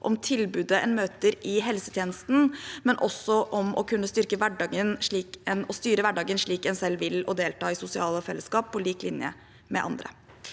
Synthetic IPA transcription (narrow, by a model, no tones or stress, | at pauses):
ʔɔmt̪ʰɪlbʉːd̪əʔɛnmøːt̪əɾɪɦɛlsət̪ʰjeːnəst̪n̩mɛnʔɔsːɔʔɔmɔkʰʉnːəst̪ʏɾkəʋæɖɑːɡənʂɭiːkɛnɔst̪yːɾəʋæɖɑːɡənʂɭiːkɛnsɛlːʋɪlɔd̪eːlt̪ɑːɪsʊsɪɑːləfɛlːəskɑːpʰːɔliːklɪnjə̰ | mɛ̰ʔɑ̰nd̪ɾə̰